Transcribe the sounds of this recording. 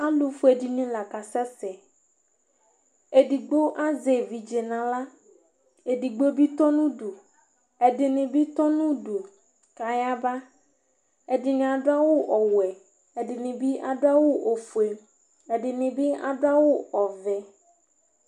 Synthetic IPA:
a˦lu˨fu˦e˨di˨nĩ˦la˨ka˨sɛ˦sɛ˨ | e˨ɖi˨ɡ͡bo˦ʔa˦ze˨vi˨d͡ʒe˨nã˨la˦ | e˨di˨ɡ͡bo˦bi˦t̪ɔ˦nũ˦ɖu˨ | e˨dɪ˨nĩ˨bi˦t̪ɔ˦nũ˦ɖo˨ | ka˨ja˦ba˦ | e˨di˨nĩ˨a˨ɖo˦a˦wo˦ʔɔ˨wwɛ˨ | e˨ɖi˨nĩ˨bi˦ʔa˨ɖo˦a˦wo˦ʔo˨fu˨e˨ | e˨ɖi˨nĩ˨bi˦a̰˨ɖo˦a˦wo˦ɔ˨vɛ˨

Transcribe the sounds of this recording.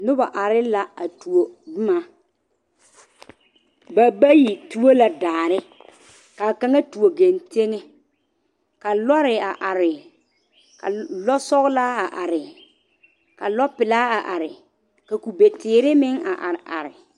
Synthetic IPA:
nʊ˦ba˨ʔa˨ɾɪ˦la˨a˨tu˨o˨dʊ˦ma˨ | ba˨ba˦ji˨tu˦o˦la˨daː˨ɾɪ˦ | ka˨ka˦ŋa˦tu˨o˨ɡe˨nte˦ŋe˦ | ka˨lɔ˦ɾɪ˨a˨ʔa˨ɾɪ˨ | ka̰˨lɔ˦sɔ˦ɣla˦a˨ʔa˨ɾɪ˨ | ka˨lɔ˦pɪ˨laː˦a˨ʔa˨ɾɪ˨ | ka˨ku˨be˨tɪː˨ɾɪ˦mɪ˦ŋa̰˨ʔa̰˨ɾɪ˨ʔa̰˨ɾɪ˨

